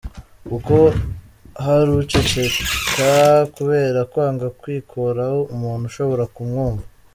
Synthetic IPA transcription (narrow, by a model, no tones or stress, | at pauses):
uko | haɾut͡ʃet͡ʃe̞kakuβe̞ːɾakwaːŋɡakwiːkʰoɾahoumuːn̥huʃo̞βo̞ɾakumŋoːmba